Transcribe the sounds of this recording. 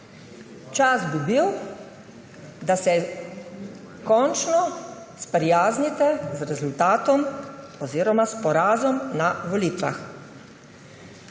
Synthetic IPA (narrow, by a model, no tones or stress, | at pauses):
t͡ʃazbibiw | d̪asɛ | kɔnt͡ʃnɔ | spɾijaːznit̪ɛzɾɛzult̪aːt̪ɔm | ɔziːɾɔmaspɔɾaːzɔmnaʋɔliːt̪ʋa̰x